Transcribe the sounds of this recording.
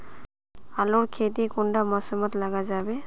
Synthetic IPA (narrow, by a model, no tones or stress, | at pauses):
aluɹkʰet̬ikundamasɔmatlaɡazabɛ